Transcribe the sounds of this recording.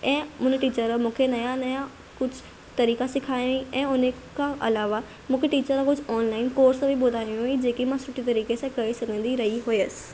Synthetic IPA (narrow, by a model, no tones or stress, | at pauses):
ɛ̃ːʊ̃ːneʈiːt͡ɕəɾmũːkʰenɐjãnɐja | kʊd͡ʑʱʊ | t̪ɐɾiːkasɪkʰaːjiʔɛ̃ːʊnekʰãʔɐlaːʋa | mũːkʰeʈiːt͡ɕəɾãkʊd͡ʑʱɔːnlaːɪnkoːɾsbʱiɓʊːd̪ʱaːĩjũɦoid͡ʑeːkimãsʊʈʰit̪ɐɾiːkesãkɐesɐɡʱə̃nd̪iɾɐɦiɦoiəsɪ̥